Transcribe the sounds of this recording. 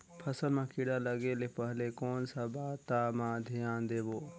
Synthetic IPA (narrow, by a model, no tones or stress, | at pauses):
pʰɐsəlmãːkɪɽaːlɐɡeːlepəɦlekoːnsabaːt̪ːaːmãd̪ʱijãːnd̪eːboː